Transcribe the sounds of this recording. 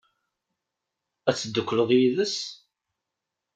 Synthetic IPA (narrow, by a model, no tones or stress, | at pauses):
æt͡sːəd̪ːəkʷːləðˤjiðəs